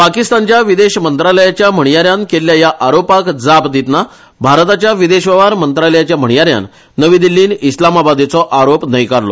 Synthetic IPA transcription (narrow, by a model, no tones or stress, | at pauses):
pakist̪ant͡ɕjaʋid̪eɕmənt̪ɾaləjat͡ɕjam̤əɳjaɾjankeljajaʔaɾopakd͡zapd̪it̪na | bʱaɾt̪at͡ɕjaʋid̪eɕʋəʋaɾmənt̪ɾaləjat͡ɕjam̤əɳjaɾja̰nː | əʋid̪ilːiːnislamabad̪et͡sɔʔaɾopnəjkaɾlɔ̰